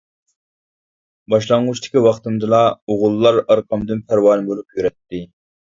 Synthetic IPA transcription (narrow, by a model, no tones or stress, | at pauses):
bɑʃlˠɑŋːut͡ʃt̪ʰɪ̥kʲiwɑχt̪ɨmd̪ɨlˠɑoʁʊlˠːɑɾɑɾqʰɑmd̪ɨnpʰæɾwɑnbolˠupjyɾɛt̪ːɪ